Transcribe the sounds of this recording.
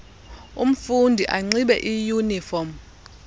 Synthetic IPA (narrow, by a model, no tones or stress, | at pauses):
um̩fundʱiʔaŋ͡ǀiɓɛ̰ʔijunifɔm